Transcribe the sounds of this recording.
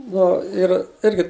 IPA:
ˈnʊ ɪr ˈɪrʲɡʲɪ

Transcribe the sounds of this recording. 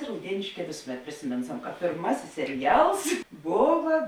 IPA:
rɐʊˈdʲiɛnʲeːʃʲˌkʲɛː ˈʋʲeːsʊˌmʲɛt pʲrʲɪsʲɪˈmʲɪnsɐm kɐ pʲeːrˈmɑːsʲɪs sʲɛrʲɪˈjɛlˠs ˈboːʋɐ

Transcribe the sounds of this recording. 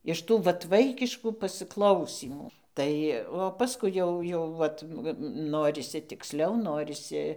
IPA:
ɪʃ ˈtuː ˈʋɐt ˈʋɐɪkʲɪʃkuː pɐsɨˈklˠɐʊsʲiːmuː ˈtɐɪ oː pɐˈskʊɪ jɛʊ jɛʊ ˈʋɐt ˈnoːrʲɪsʲɪ tʲɪkˈsʲlʲɛʊ ˈnoːrʲɪsʲɪ

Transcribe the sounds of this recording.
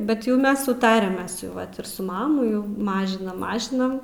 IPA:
bʲɛt ˈjɛʊ ˈmʲɛs sʊˈtɑːrʲæː ˈmʲɛs jɛʊ ˈʋɐt ɪr sʊ ˈmɑːmʊ jɛʊ ˈmɑːʒʲɪnɐm ˈmɑːʒʲɪnɐm

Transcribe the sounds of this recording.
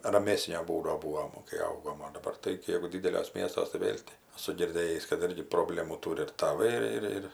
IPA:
rɐˈmʲæːsʲnʲoː ˈbuːdoː ˈbuːʋoːm kɐɪ ˈɐʊɡoːm oː dɐˈbɐr tɐɪ ˈjɛɪɡʊ ˈdʲɪdʲɛlʲuɔs ˈmʲiɛstuɔs tɐɪ ˈʋʲeːlʲ tʲɪ ɐˈsʊ ɡʲɪrʲˈdʲeːjiːs kɐt ˈɪrʲɡʲɪ proːˈbʲlʲæːmuː ˈtuːrʲɪ ɪr tɐˈʋɐɪ ɪr ˈɪr

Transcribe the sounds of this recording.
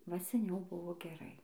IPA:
ʋɐ sʲɛˈnʲɛʊ ˈbʊʋoː ɡʲɛˈrɐɪ

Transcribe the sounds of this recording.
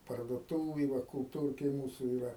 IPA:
pɐrduɔˈtuːʋʲeːj ˈʋɐ kʊlˠˈtuːrʲkʲeːj ˈmuːsʊ ɪˈrɐ

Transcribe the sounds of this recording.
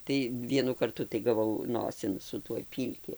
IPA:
tɐɪ ˈʋʲiɛnʊ kɐrˈtʊ tɐɪ ɡɐˈʋɐʊ ˈnoːsʲɪn sʊ ˈtuɔj ˈpʲiːlʲkʲɪ

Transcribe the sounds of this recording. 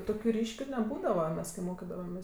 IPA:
ˈtoːkʲʊ ˈrʲiːʃʲkʲʊ nʲɛˈbuːdɐʋɐ ˈmʲɛs kɐɪ ˈmoːkʲɪdɐʋɐmʲeːs

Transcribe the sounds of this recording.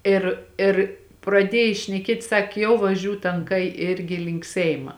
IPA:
ˈɪr ˈɪr prɐˈdʲiɛj ʃʲnʲɛˈkʲiɛtʲ ˈsɑːkʲeː jɛʊ ʋɐˈʒʲuː tɐŋˈkɐɪ ˈɪrʲɡʲɪ lʲɪŋk ˈsʲɛɪmɐ

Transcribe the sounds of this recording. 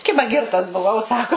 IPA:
ˈkʲɪbɐ ˈɡʲɪrtɐs bʊˈʋɐʊ ˈsɑːkoː

